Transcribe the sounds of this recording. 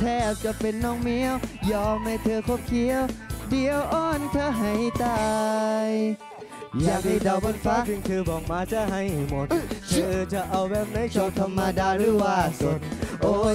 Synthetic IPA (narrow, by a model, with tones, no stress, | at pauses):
t̪ʰɛː˧˩t͡ɕa˧˩pe˨nːɔː˧˥˩ŋmi˧˥əwjɔː˧mːa˧˩jt̪ʰɤː˧kʰo˧˥˩p̚kʰi˧˥əwdi˧ə˧wʔɔː˧˥˩nt̪ʰɤː˧˥ɦa˨˦jt̪aː˧˩j | jaː˨˩ŋt̪ʰi˧˩da˧˩wbɔ˧˥nfaː˧˥pi˧ŋt̪ʰɯː˧bɔː˨˩k̚maː˧˥t͡ɕa˧˩ɦa˧˩jmo˨˦t̪t̪ʰːʔɤː˧t͡ɕa˧˩ʔa˧wbɛː˧˩p̚na˧˥jt͡ɕʰa˧˩t̪ʰa˧mːaː˧daː˧ɾɯː˧˥˩waː˧˩so˧˦nʔoː˧˦